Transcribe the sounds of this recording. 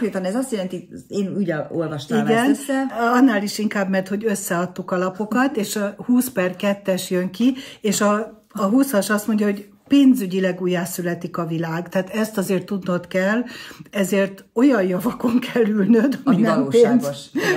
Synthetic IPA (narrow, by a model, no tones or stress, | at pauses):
ɾeːt̪ɒnɛzɒst̪jɛlɛnt̪ieːnyɟɛolvɒʃt̪iɡɛnːɛɒnːaːliʃiŋkaːbmɛrt̪ho̞ɟø̞sːɛɒt̪ːukɒlɒpo̞kɒt̪eːʃɒhuːspɛrkɛt̪ːɛʃjøŋkieːʃɒː | ɦusɒʃɒst̪mo̞ɲɟjɒɦo̞ɟ | peːnzyɟilɛɡuːjːaːsylɛt̪ikɒvilaːɡt̪ɛaːt̪ɛst̪ɒzeːrt̪ːud̪no̞t̪kɛlːɛzeːrt̪o̞jɒjjɒvɒko̞ŋkʰɛlːylnød̪ɒminɛmpenz